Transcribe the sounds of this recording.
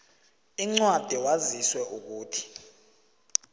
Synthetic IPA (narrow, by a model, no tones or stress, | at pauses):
iŋ͡ǀwad̥ʱiwaziswɛuk̬uːtʰi̥